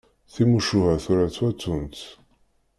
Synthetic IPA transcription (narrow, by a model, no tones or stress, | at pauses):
θimuʃuhæθuɾæt͡sːwæt͡sːunt̪